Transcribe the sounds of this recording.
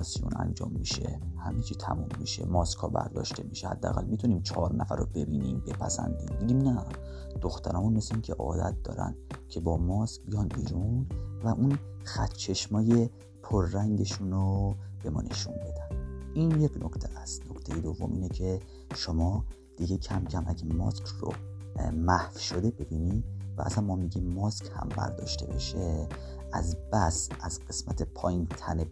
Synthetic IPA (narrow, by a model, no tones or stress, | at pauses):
sijṵnæ̰nd͡ʒɒ̰ːmːiʃe̞hæmet͡ʃʰit̪ʰæ̰mumːiʃe̞̰mɒskʰhɒːbæ̰ɾd̪ɒ̰ːʃt̪e̞miʃehæ̰d̪ːææ̰ɣæ̰lmit̪ʰuniːmt͡ʃʰɒːɾnæfæɾobe̞biːniːmbe̞pʰæsæ̰nd̪imd̪iɡ̪iːmnæ | d̪̥oxt̪ʰæɾɒːmunmesincʰeʔɒ̰ːd̪æ̰t̪̚d̪ɒːɾæ̰nd̪cʰe̞bɒːmɒːskbijɒːnbiːɾunvæʔun | xæt̪ʰt͡ʃʰe̞ʃmɒːje̞ | pʰoɾːæŋɟe̞ʃunob̥e̞mɒ̰ːne̞̰ʃunbe̞d̪ænd̪iːnjecʰnokʰt̪ʰeæst̪no̞kt̪ʰe̞jed̪ovːo̞̰mʔḭːnecʰe̞ | ʃo̞mɒː | d̪̥iɟe̞cʰæmcʰæmʔæ̰ɟæmɒ̰skʰro̰ | mæhfʃod̪e̞be̞biːnivæ̰ʔæ̰sænmmɒmiɟimːɒscʰhæ̰mbæ̰ɾd̪ɒ̰ːʃt̪ʰe̞beʃe̞ | æzb̥æsæzɢ̥e̞smæt̪ʰe̞pʰɒːjint̪ʰæne